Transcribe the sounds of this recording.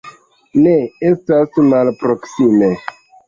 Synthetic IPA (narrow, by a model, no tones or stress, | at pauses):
neestasmalpɾo̞ksime